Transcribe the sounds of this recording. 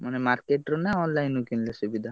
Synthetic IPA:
manemaɾkeʈɾonaɔnlajnukinlesubid̪ʱa

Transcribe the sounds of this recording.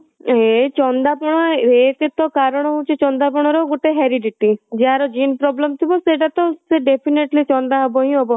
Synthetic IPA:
et͡ʃɔnd̪apɔɽ̃ɔek̪et̪ɔkaɾɔɽ̃ɔɦũt͡ʃʰit͡ʃɔnd̪apɔɽ̃ɔɾɔɡuʈeɦeɾiɖiʈid͡ʒeɦaɾɔd͡ʒinpɾɔblemt̪ʰibɔseʈat̪ɔseɖepʰineʈlit͡ʃɔnd̪aɦɔbɔɦĩɦɔbɔ

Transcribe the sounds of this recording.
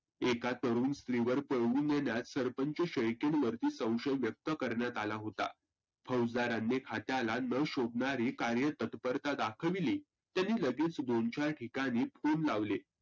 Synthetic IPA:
ekat̪ːəɾuːnst̪ɾiʋəɾpəɭʋuːnːenjat̪səɾpəɲt͡ɕəɕəjkeɳʋəɾt̪iːsə̃w̃ɕəjʋjək̚t̪əkəɾɳjat̪alaɦot̪a̰ | pʰəwd͡z̪aɾanːekʰat̪jalanəɕob̚ɳaɾiːkaɾjət̪ət̪pəɾt̪ad̪akʰəʋiliː | t̪janːiːləɡet͡sd̪ont͡ɕaɾʈʰikaɽ̃iːpʰonlaʋle

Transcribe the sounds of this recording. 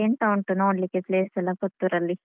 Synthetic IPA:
eɳʈɐwuɳʈunoːɽlikːepleːsɐlːɐpɔt̪ːuɾɐlːi

